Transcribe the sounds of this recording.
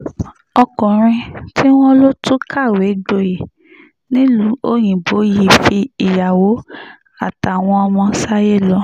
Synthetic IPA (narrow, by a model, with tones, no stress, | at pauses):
ɔ˧kɔ̃˨ɾ̃ĩ˧tʰi˦w̃ɔ̃˦lo˦tu˦kʰa˦˨we˨˦ɡ͡bo˧˨je˨ | nĩ˦lũ˨˦o˦j̃ĩ˨bo˨˦ji˦˨fi˧i˨ja˨wo˨˦ | a˦˨ta˨w̃ɔ̃˧ɔ˧mɔ̃˧sa˦je˦˨lɔ˧˦